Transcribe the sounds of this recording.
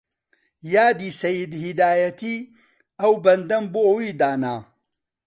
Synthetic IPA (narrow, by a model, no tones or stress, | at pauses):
jaːd̪iːsɐjid̪hid̪aːjɐt̪ʰiː | ɐwbɐnd̪ɐmboowiːd̪aːnaː